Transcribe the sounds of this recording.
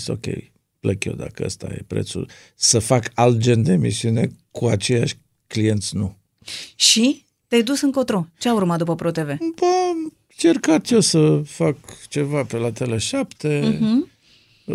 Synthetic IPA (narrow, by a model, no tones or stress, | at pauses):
st̪o̞̰kʲḛj | pləkjo̞̰d̪a̰kəə̰st̪a̰jḛpɾḛt̪sṵ | səfakalt̪̚d͡ʒe̞nd̪eːmḭsiune̞kʰuat͡ʃe̞jaʃʲ | klije̞nt̪sʲnu | ʃi | t̪ajd̪usɨŋko̞t̪ɾot͡ʃeaurmat̪d̪upəpɾot̪e̞ve̞bə | t͡ʃe̞rkat̪josəfakt͡ʃe̞vapelat̪e̞leʃapt̪e̞